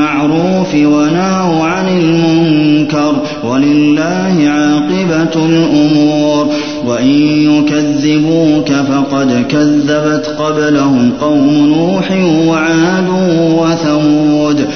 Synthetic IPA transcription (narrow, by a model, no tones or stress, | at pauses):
aʕɾuːfwanahawʕanɪlmʊŋkɑɾˤ | walɪlːaːhɪʕaːqɪbalʔʊmuːɾ | waʔɪnjʊkaðːɪbuːkafɑqɑd̪kaðːabat̪qɑblahʊmqɑwmʊnuːħɪwaʕaːd̪uːwaθamuːd̪